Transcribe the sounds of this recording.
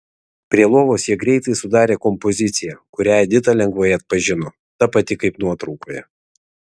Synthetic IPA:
pʲɾʲiɛlˠoːʋoːsjiɛɡɾʲɛɪt̪ɐɪsʊd̪ɑːɾʲeːkɔmpɔzʲɪt̪sʲɪjɛkʊɾʲæːjɛd̪ʲɪt̪ɐlʲɛŋɡʋɐːjɛɐt̪̚pɐʒʲɪnɔ | t̪ɐpɐt̪ʲɪkɐɪpnuɔt̪ɾɐʊkoːjɛ

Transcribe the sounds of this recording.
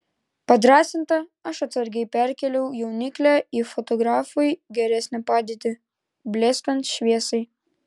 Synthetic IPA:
pɐd̪ɾɑːsʲɪnt̪ɐɐʃɐt̪sɐɾʲɡʲɛɪpʲæɾʲkʲɛlʲɛʊjɛʊnʲɪklʲæifɔt̪ɔɡɾɑːfʊjɡʲɛɾʲɛsʲnʲɛpɑːd̪ʲiɛt̪ʲɪ | bʲlʲeskɐnt̪ʃʲʋʲiɛsɐɪ

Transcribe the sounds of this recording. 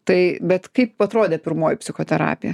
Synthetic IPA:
t̪ɐɪbʲɛt̪kɐɪpɐt̪ɾoːd̪ʲeːpʲɪɾmoːjɪpʲsʲɪxoːt̪ʲɛɾɑ̰ːpʲɪjɛ

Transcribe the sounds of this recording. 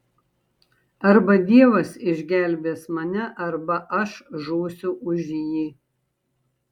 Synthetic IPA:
ɐɾbɐd̪ʲiɛʋɐsɪʒʲɡʲæˑlʲbʲeːsmɐnʲɛʔɐɾbɐʔɐʃʒuːsʲʊʔʊʒʲjiː

